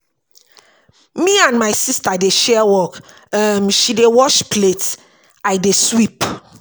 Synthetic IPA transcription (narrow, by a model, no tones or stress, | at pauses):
miãnmaɪsistadeʃɛwɔk | ʌmʃidewɔʃplet | aɪdeswip